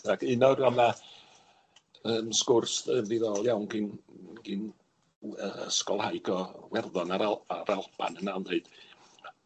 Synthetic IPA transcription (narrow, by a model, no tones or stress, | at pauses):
dakʰɪnɔɡɔna | əːmskʊrsəmðiðɔlˠjawnɡɪnɡ̥ɪn | əə̰skɔlˠhajɡɔwɛrðɔnaɾaaɾalˠpʰa̰nənandeɨd̥